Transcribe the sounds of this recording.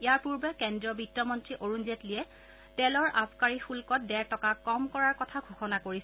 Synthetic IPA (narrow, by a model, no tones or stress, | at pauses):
ijaɹpuɹbɛkɛndɹɔbitːɔmɔntɹiʔoɹunzetliɛ | tɛlɔɹʔapʰkaɹixulkɔt̚dɛɹtɔkakɔmkɔɹaɹkɔtʰaɡʱoxɔnakoɹisɛ